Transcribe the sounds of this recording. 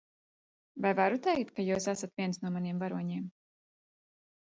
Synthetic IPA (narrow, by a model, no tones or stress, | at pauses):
vajvaɾut̪ɛjkt̪̚kajuːsasat̪vʲiɛnsnuɔmaniɛmvaɾuɔɲiɛm